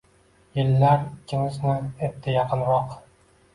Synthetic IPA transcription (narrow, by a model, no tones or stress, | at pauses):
jɪlːæɾikʲʰːɪŋɪznɪet̪ʰːɪjɑqʰɨnɾɒq